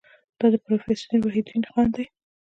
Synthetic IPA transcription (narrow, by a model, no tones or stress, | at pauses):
d̪̥ɑd̪əpɾofesaɾwaɦid̪inxɑnd̪aj